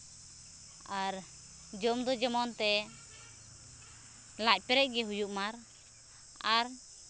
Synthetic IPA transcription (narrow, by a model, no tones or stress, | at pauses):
aɾ | d͡ʒɔmd̪ɔd͡ʒɛmɔnt̪ɛ | lac̚pɛɾɛc̚ˀɡɛɦujuʔmaɾ | aɾ